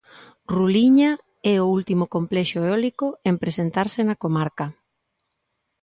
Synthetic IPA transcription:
ruliɲa | ɛoult̪imʊkomplɛʃoeɔlikoempɾesent̪aɾsɪnakomaɾkɐ

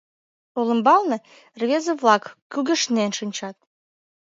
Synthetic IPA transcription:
olə̆mbɑlnə̆ | rβʲezə̆βlɑkːyɣə̆ʃnenʃɨnʲt͡ɕɑt̪̚

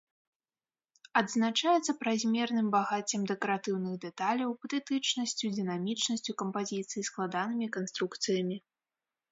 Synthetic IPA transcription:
ɐd̪znat͡ʂajɛt̪sɐpɾazʲmʲɛrnɨmbaɣat͡sʲɛmd̪ɛkɐɾat̪ɨwnɨɣd̪ɛt̪alʲɐwpɐt̪ɛt̪ɨt͡ʂnɐsʲt͡sʲud̪ɨnamʲit͡ʂnɐsʲt͡sʲukɐmpazʲit̪sɨjisklˠad̪anɨmʲikanst̪ɾukt̪sɨjɐmʲi

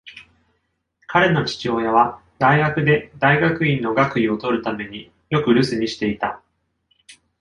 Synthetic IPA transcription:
kʰaɾe̞no̞t͡ɕi̥t͡ɕio̞ːjaβa | d̪aiɡakɯ̟d̪e̞d̪aiɡakɯ̟ĩnːo̞ɡakɯ̟io̞t̪o̞ɾɯ̟t̪ame̞ɲ̟i | jo̞kɯ̟ɾɯ̟sɨɲ̟iɕi̥t̪e̞it̪a

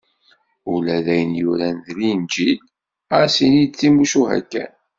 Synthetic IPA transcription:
ʊlæðæjənjuɾænðlind͡ʒil | æsinid̪̚t͡sːimuʃuɦæ̰kːæ̰n

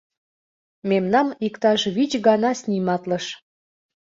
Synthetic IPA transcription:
memnɑmikt̪ɑʃβit͡ɕɣɑnɑsʲnʲimɑt̪ləʃ

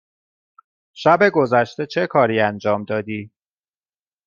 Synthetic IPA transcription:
ʃæbe̞ɡo̞zæʃt̪e̞t͡ʃʰe̞kʰɒːɾiːænd͡ʒɒːmd̪ɒːd̪iː

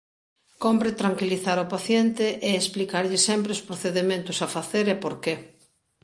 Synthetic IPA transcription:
kompɾɪt̪ɾaŋkiliθaɾopaθjent̪ɪʔeːsplikaɾʎɪsɛmpɾɪospɾoθeðemẽnt̪ʊsafaθeɾɛpoɾke

